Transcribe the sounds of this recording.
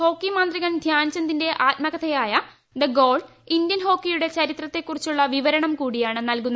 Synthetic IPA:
ho̞ːkːimaːnd̪riɣɐɳd̪ʱjaːnt͡ɕːɐnd̪inde̞ʔaːtmɐɣɐt̪ʰɐjaːjɐ | d̪ɐɡo̞ːɖ | indjɐnɦo̞ːkːijuɽe̞t͡ɕɐɾit̪rɐt̪ːe̞kːurit͡ɕːuɭːɐʋiʋɐɾɐɳɐmkuːɽijaːɳɨnɐlkunːɐ

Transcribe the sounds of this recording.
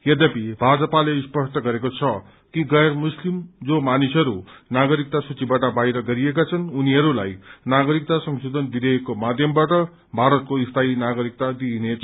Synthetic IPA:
jed̪ʌpibʱad͡zʌpaleispʌʂʈʌɡʌɾekot͡sʰʌ | kiɡʌjrmuslimd͡zomanisʌɾunaɡʌɾik̚t̪asut͡sibaʈʌbajɾʌɡʌɾiekat͡sʰʌnuniɦʌɾulajnaɡʌɾik̚t̪asʌŋsud̪ʱʌnbid̪ʱʌjekomad̪ʱjʌmbaʈʌ | bʱaɾʌt̪̚koist̪ʰainaɡʌɾik̚t̪ad̪inet͡s

